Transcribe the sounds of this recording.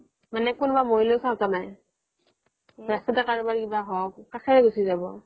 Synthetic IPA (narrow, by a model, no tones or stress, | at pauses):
manɛkunbamoɦilosaʊtanaj | ɹastatɛkaɹubaɹikibaɦɔk̚kakʰɛɹɛɡusizabɔ